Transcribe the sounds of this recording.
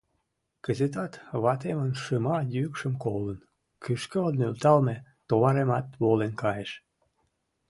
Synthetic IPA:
kəzet̪ɑt̪βɑt̪emənʃəmɑjykʃəmkolən | kʰyʃkəlnylt̪ɑlmet̪oβɑɾemɑt̪βolenkɑjeʃ

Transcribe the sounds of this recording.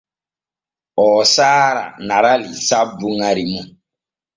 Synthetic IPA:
ɔːsaːɾa̰naɾalisabuŋaɾimu

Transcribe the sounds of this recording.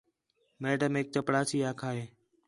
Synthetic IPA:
meːʈəmɪk̚t͡ʃəpɽaːsiːaːkʰaːɦeː

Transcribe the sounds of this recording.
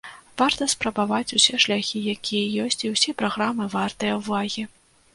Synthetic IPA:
vart̪ɐspɾɐbavat͡sʲusʲɛʂlʲaxʲijakʲijɐjɔsʲt͡sʲiwsʲɛpɾaɣɾamɨvart̪ɨjɐwvaɣʲi

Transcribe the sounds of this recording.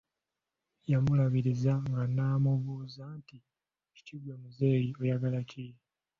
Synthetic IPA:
jamulaβiɾizaŋɡanaːmuβuːzanti | ci̥ciɡwemuze̞ːjiojaɡalacij

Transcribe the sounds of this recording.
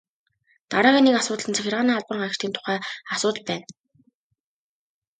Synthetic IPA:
t̪aɾaːɣʲiːnːekasʊːt̪̆ɮə̆nt͡sʰæxʲɪ̆ʁaːniːaɮpə̆ɴɢăr̥t̪iːnt̪ʰʊ̥χæːasʊːt̪̆ɮpæːn

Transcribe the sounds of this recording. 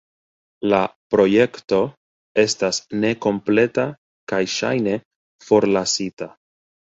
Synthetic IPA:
lapɾo̞je̞kto̞ | e̞stasne̞ko̞mple̞ta | kajʃa̰jne̞ | fo̞ɾlasita

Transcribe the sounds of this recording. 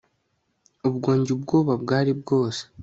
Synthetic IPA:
ubɡo̞ːɲɟubɡo̞ːβabɡaːɾibɡo̞ːse̥

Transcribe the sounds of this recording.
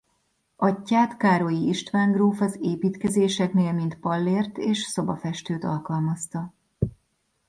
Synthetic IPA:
ʔɒcːaːt̪kaːɾo̞jiiʃt̪ʋaːŋɡroːfɒzeːpiːt̪kɛzeːʃɛkneːlmint̪pɒlːeːrt̪eːʃso̞bɒfɛʃt̪øːt̪ɒ̰lkɒlmɒst̪ɒ

